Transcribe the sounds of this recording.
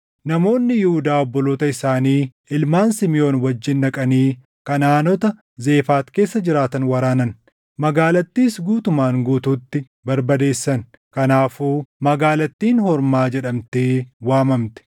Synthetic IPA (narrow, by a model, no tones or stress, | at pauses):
nɐmo̞ːnːɪjɪhʊd̪aːɔbːɔloːt̪ɐɪsaːniː | ɪlmaːnsɪmɪjo̞ːnwɐd͡ʒːɪnːɐkʼɐniː | kɐnaːnɔt̪ɐ | ze̞ːfaːt̪ke̞ːsːɐd͡ʒɪɾaːt̪ɐnwɐɾaːnɐn | mɐɡaːlɐt̪ːiːsɡuːt̪ʊmaːŋɡuːt̪uːt̪ːɪ | bɐɾbɐd̪e̞ːsːɐn | kɐnaːfuːmɐɡaːlɐt̪ːiːnhɔɾmaːd͡ʒɛᶑɐmt̪eːwaːmɐmt̪ɛ̥